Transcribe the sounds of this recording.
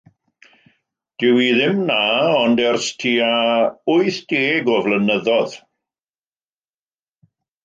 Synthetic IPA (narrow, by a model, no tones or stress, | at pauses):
d̥ɪwiðɪmnaɔndɛrstʰiːaʊɨθd̥eːɡɔvlənəðɔð̥